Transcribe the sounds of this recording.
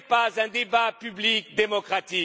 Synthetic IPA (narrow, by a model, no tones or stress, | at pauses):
pazɛ̃d̪ebapyblikd̪emɔkχat̪i